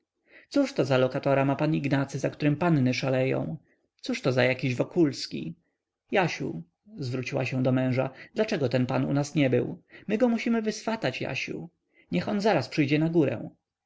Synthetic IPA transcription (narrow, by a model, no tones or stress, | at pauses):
t̪suʂt̪ɔzalɔkat̪ɔɾamapaniɡnat̪sɘzakt̪uɾɘmpanːɘʂalɛjɔ̰̃w̃ | t̪suʂt̪ɔzajakʲiʑvɔkulskʲḭ | jaɕṵ | zvɾut͡ɕiwaɕɛ̃w̃d̪ɔmɛ̃w̃ʐad̪lat͡ʂɛɡɔt̪ɛnpanṵnasɲɛbɘ̰wmɘɡɔmuɕimɘvɘsfat̪at͡ɕja̰ɕṵ | ɲɛxɔnzaɾaspʂɘjd͡ʑɛnaɡuɾɛ̰w̃